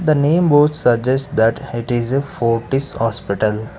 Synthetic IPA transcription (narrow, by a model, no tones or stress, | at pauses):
d̪ənẽːmʋoːtsəd͡ʒesʈ̚d̪æʈɪʈɪzefoːɾʈishɔːspɪʈəl